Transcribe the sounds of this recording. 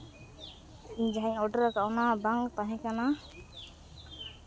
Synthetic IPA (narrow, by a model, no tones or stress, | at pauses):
iɲd͡ʒaɦaɲɔɖəɾakawnabaŋt̪aɦɛ̃kana